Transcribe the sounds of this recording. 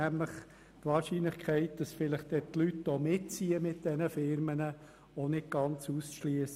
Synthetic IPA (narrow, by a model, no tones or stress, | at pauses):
æmləχ | t̪ʋɑːɾʃinləχkʰɛɪt̚d̥ɑsfɪləχt̚d̥̪ɛt̪lytd̥ɔmɪtt͡siːəmɪt̚d̥ɛnəfɪɾmənə | onɪt̚ɡ̥ɑnt͡suːsʃliəs